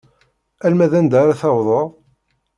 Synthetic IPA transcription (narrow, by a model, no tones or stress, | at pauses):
ælmæðænd̪aɾaθɑwðˤəðˤ